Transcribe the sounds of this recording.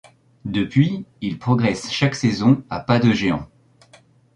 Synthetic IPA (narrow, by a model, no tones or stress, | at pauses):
d̪əpɥiilpχɔɡʁɛsʃaksezɔ̃apad̪əʒeɑ̰̃